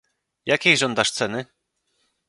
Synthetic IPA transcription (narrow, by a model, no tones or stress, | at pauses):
jakʲejʐɔnd̪aʂt̪sɛnɘ